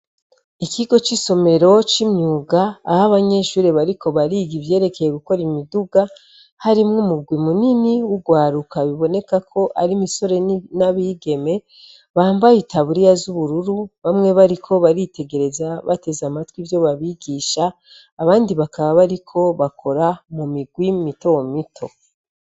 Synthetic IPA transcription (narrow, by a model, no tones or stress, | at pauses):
ikʰiɡo̞t͡ʃiso̞me̞ɾo̞t͡ʃimɲuːɡaːhaβaɲe̞ʃuɾeβaɾikʰo̞βaɾiɡiβje̞ːɾe̞ke̞je̞ɡuko̞ɾimiduɡa | haɾimŋumuɡwimuniniwuɡwaːɾukaβiβo̞ne̞kakʰo̞ʔaɾimiso̞ɾe̞naβiɡe̞me̞ | βaːmbajitaβuɾijazuβuɾuɾuβamŋe̞βaɾikʰo̞βaɾite̞ɡe̞ɾe̞zaβate̞zamatwivjo̞βaβiɡiʃaː | βaːndiβakaβaβaɾikʰo̞βakʰo̞ɾamumiɡwimitomitʰo̞